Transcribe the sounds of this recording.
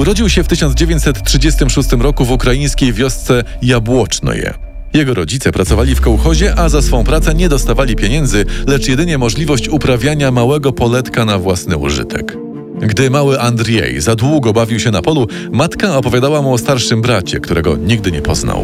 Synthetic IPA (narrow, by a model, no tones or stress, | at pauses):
uɾɔd͡ʑiwɕɛft̪ɘɕɔnd̪zd͡ʑevʲjeɲt͡ɕʲsɛt̪ːtʂɘd͡ʑɛst̪ɘmʂust̪ɘmɾɔkuvukɾajij̃skʲejvʲjɔst̪sɛ | jabwɔt͡ʂnɔ̰jɛ̰ | jɛɡɔɾɔd͡ʑit̪sɛpɾat̪sɔvalʲifkɔwxɔʑɛʔazasfɔ̃w̃pɾat̪sɛɲɛd̪ɔst̪avalʲipʲjeɲɛnd̪zɘlɛt͡ʂjɛd̪ɘɲɛmɔʐlʲivɔɕt͡ɕupɾavʲjaɲamawɛɡɔpɔlɛt̪kanavwasnɘṵʐɘ̰t̪ʰɛ̰k | ɡd̪ɘmawɘʔand̪ɾjɛ̰jzad̪wuɡɔbavʲiwɕɛnapɔlu | mat̪kaɔpɔvʲjad̪awamuɔst̪aɾʂɘmbɾat͡ɕɛ̰kt̪uɾɛɡɔ̰ɲiɡd̪ɘɲɛpɔ̰zna̰w